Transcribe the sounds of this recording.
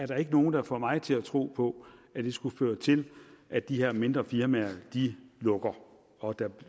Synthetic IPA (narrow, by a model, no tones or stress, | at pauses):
æɐɾ̥ɑ̈e̝ɡ̥əno̝ːn̩d̥ɑ̈fɒ̰mɑ̈ɪt͡sʰe̝læt͡sʰʁo̝̰ːpʰɒ̽æd̥e̝sɡ̥uføːɐt͡sʰe̝lʔæd̥iɦeɐ̰me̝nd̥ʁɐfiɐmæɐd̥ilɔ̽ɡ̥ɐ | ɒ̽d̥ɑ